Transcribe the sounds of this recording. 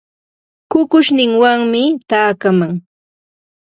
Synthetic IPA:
kʊkʊʃnɪŋwaŋmɪt̪aːkamaŋ

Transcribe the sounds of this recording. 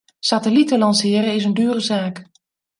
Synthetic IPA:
satəlitəlɑnsɪːəɾəɪs̬əndyːrəzaːk

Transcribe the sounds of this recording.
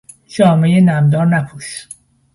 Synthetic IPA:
ʃɒːmejenæmd̪ɒːɾnæpʰuːʃ

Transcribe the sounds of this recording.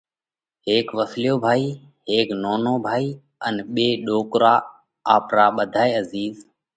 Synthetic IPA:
ɦeːkʋəslɪjoːbʱaːiː | ɦeːknoːnoːbʱaːiː | ənɓeːɗoːkɾaː | aːpɾaːɓəd̪ʱaːeːəziːz

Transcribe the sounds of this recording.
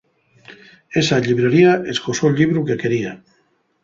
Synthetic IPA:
esaʎiβɾeɾiaʔeskosoʎiβ̞ɾukekeɾia

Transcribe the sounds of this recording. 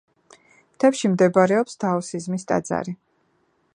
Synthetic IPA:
mt̪ʰɛpʃimd̪ɛbaɾɛɔpsd̪ʰaɔsizmist̪ʼa̰d̪za̰ɾi

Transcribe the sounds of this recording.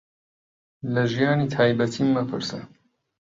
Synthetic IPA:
lɐʒijaːnit̪ʰaːjbɐt̪ʰiːmːəpʰɨ̰ɾsə̰

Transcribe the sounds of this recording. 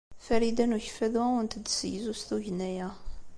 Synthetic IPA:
fæɾid̪ænuçəfæðuʊnt̪əd̪sjzust̪uʝənæjæ

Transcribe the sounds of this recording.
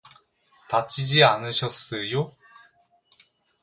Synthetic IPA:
tat͡ɕ͈ʰid͡ʑianɯɕʰʌs͈ɯjo

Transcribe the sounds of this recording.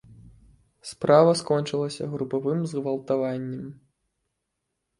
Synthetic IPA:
spɾavɐskɔnʲt͡ʂɨlˠɐsʲɐ̰ɣɾupavɨmzɣvɐlˠt̪avanʲːɛm

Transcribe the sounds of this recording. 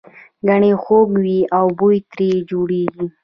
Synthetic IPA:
ɡaɳexoɡwiawbojt̪ɾed͡ʒoɽeɡi

